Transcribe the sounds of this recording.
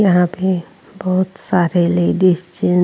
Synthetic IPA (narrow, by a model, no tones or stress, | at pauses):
jɐɦãpe | bəɦʊt̪saɾeleɖist͡ʃi